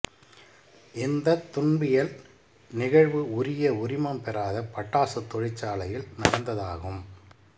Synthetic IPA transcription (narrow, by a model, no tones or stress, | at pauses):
ʔɪnd̪ɐt̪ːʊɳbɪjɐl | nɪɣɐɻʋɯʊɾɪjɐʊɾɪmɐmpɛɾaːðɐpːɐʈːaːsɯt̪ːɔɻɪt͡ʃːaːlɐjɪlnɐɽɐnd̪ɐðaːɣɯm